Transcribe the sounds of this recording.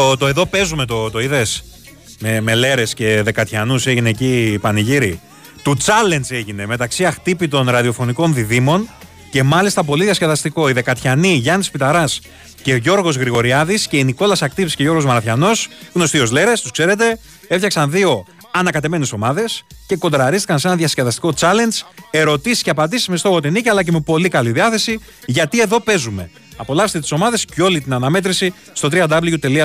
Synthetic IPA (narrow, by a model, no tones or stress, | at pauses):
ot̪oeðo̞pe̞zume̞t̪o̞t̪o̞iðes | meme̞le̞ɾe̞sce̞ðe̞kɐt̪çɐnuse̞ʝineːcipɐniʝiɾi | t̪ut͡sɐle̞nd͡zeʝine̞me̞t̪ɐksiɐxt̪ipit̪o̞nɾɐðio̞fo̞niko̞nðiðimo̞n | ce̞mɐlist̪ɐp̬o̞liðiɐsceðɐst̪iko̞iðe̞kɐt̪çɐniʝɐnispit̪ɐɾɐs | ce̞oʝo̞ɾɣo̞zɣɾiɣo̞ɾiɐðisce̞iniko̞lɐsɐkt̪ipsi̥ce̞ʝo̞ɾɣo̞zmɐɾɐθçɐno̞sɣno̞st̪io̞zle̞ɾest̪u̥skse̞ɾe̞t̪e̞ | eft̪çɐksɐnðio̞ | ɐnɐkɐt̪e̞me̞neso̞mɐðe̞sce̞ko̞nd̪ɾɐɾist̪i̥kɐnse̞nɐðʝɐsceðɐst̪iko̞t͡sɐle̞nd͡ze̞ɾo̞t̪isi̥sceɐpɐd̪isi̥zmest̪o̞xo̞t̪iniciɐlɐceme̞po̞likɐliðiɐθe̞si | ʝɐt̪ie̞ðo̞pe̞zume̞ | ɐpo̞lɐfset̪et̪i̥so̞mɐðe̞sco̞lit̪inɐnɐme̞t̪ɾisi | st̪o̞t̪ɾiɐd̪ɐbliʝut̪e̞liɐ